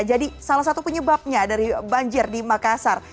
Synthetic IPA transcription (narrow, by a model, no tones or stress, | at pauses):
d͡ʒadisalasat̪upəɲəbap̚ɲadaɾibaɲd͡ʒɪrdimakasar